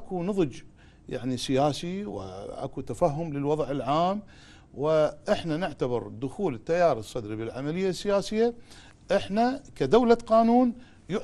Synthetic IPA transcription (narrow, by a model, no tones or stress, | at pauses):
ʔakunɨðˤd͡ʒ | ja̰ʕnisɪjaːsiwɪ̰ʔa̰kut̪afaɦːʊmlɪlwɑðˤʕɪlʕaːm | wɪʔɪħnanɪʕt̪abɪɾd̪ʊxuːlɪt̪ːajɑːɾɨsˤːɑd̪ɾibɪlʕamalɪjːasːɪjaːsɪjːa | ʔɪħnakad̪awlaqɑːnuːn | jʊ